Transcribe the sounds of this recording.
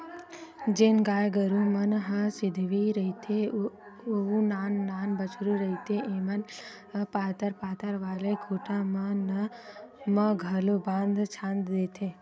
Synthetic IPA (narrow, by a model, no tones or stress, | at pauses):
d͡ʒeːnɡaːjɡəɾũmənɦəsɪd̪ʱʋiɾəɦit̪ʰe | oũnaːnːaːnbət͡ʃʰɾuɾəɦit̪ʰeʔemɐn | paːt̪əɾpaːt̪əɾʋaːlekʰuːʈamənə | məɡʱəlobãːnd̪ʱt͡ʃʰãːnd̪d̪eːt̪ʰeː